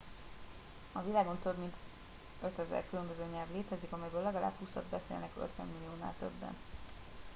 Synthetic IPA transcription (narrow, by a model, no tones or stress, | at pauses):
ɒvilaːɡo̞nt̪ø̞bmint̪ | øt̪ɛzɛ̰rkylø̞mbøzøːɲɛlvleːt̪ɛzikɒmɛjbøːlɛɡɒla̰ːbhusɒ̰d̪bɛsḛːlnɛkø̰t̪ʋɛ̰mːilːijoːna̰ːlt̪ø̰bːɛ̰n